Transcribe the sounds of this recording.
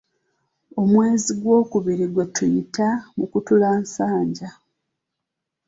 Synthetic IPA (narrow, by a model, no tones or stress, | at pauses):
o̞mwe̞ːziɡwo̞ːkuβiɾiɡwetujitamukutulaːnsaːɲɟa